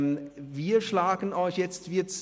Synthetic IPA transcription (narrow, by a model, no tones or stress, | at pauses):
viːɐʃlaːɡən̩ɔʏçjɛt͡stv̥iːɐt͡s